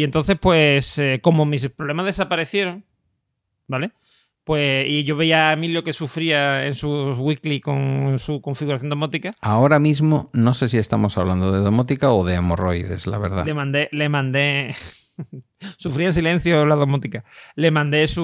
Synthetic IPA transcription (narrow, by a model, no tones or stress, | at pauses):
ie̞nt̪o̞n̟θe̞spwe̞seko̞mõmĩspɾole̞mazðe̞sapaɾe̞θje̞ɾoŋ | bale̞ | pwe̞iʝo̞βeiaemiljo̞ke̞sufɾiaensuɣwikliko̞ŋsuko̞ɱfiɣuɾaθjonomo̞t̪ikaao̞ɾamizmono̞ses̬ie̞st̪amo̞saβland̪oðe̞ðomot̪ikaoðemoro̞jðḛsla̰βe̞̰ɾða̰lemãnd̪e̞le̞mãnd̪e̞ | sufɾias̬ile̞n̟θjolaðomot̪ikale̞mãnd̪e̞su